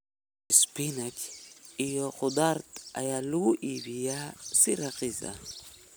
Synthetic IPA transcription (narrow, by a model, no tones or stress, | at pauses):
spinakijoqʊd̪aɾt̪a̰jaluʔiβijasiɾaqiza̰